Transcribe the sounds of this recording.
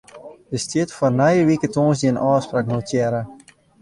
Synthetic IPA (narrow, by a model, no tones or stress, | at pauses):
dəstitfɔrnɛjəʋikətoːnsdiənʔɑːspraːknoːtʰjɛɾə